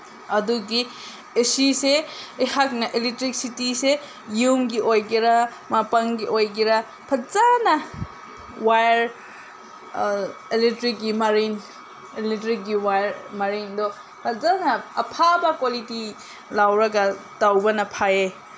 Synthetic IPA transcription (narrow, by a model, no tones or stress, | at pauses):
ɐduɡi | esiseihak̚nɐʔeletɾik̚sitise | jumɡiʔojɡiɾɐ | mapɐŋɡiʔojɡiɾɐ | pʰɐzanɐ | wajɾ | eletɾik̚ɡimɐɾin | eletɾik̚ɡiwajɾmɐɾindɔ | pʰɐzanɐɐpʰabɐkwaliti | lawɾɐɡɐtawbɐnɐpʰaje